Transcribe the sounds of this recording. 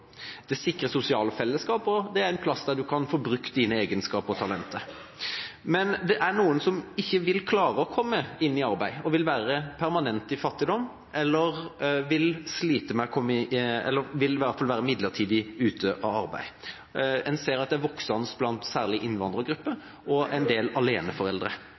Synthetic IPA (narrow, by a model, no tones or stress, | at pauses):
d̪̥ɛsɪkːɾəsʊsɪɑːlfɛlːəskɑːpɔd̪ɛæɾɛɪnpʰlɑsːd̪æʁd̪ʉkʰɑnfɔːbɾʉkt̪̚d̪iːnəeːɡənskɑːpɔt̪ʰɑlɛnt̪ʰə | mɛnd̪ɛʔæɾnuːənsɔmɪçːəʋɪlkʰlɑːɾəɔkʰɔmːəɪnːɪɑɾbæɪɔʋɪlʋæːɾəpʰæɾmɑnɛnt̪ɪfɑt̪ːɪd̪ɔmː | ʔɛlːəɾʋɪlsliːt̪əmɛkʰɔmːɛ̰lːəɾʋɪlɪʋæɾt̪fɑlʋæːɾəmɪd̪lət̪ʰiːd̪ɪʉːt̪ʰəʔɑʋɑɾbæ̰ɪ | ɛnseːɾɑt̪̚d̪ɛæʋɔksɑnəst̪̚blɑnt̪sæːʁlɪʔɪnːʋɑnd̪ɾəɡɾʉpːə | ɔʔɛɪnd̪eːlɑleːnəfɔɾɛld̪ɾə̰